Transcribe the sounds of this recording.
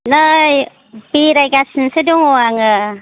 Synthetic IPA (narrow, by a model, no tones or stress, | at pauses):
naj | biɾajɡasinseduŋoaŋɯ